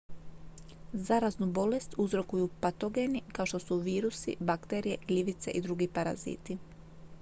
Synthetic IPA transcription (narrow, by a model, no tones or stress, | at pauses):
zaɾaznubo̞le̞st̪uzɾo̞kujupat̪o̞ɡe̞nikaoʃt̪o̞suʋiːɾusḭbakt̪e̞ɾije̞ʎiʋit̪se̞ʔid̪ɾuɡipaɾa̰zḭːt̪i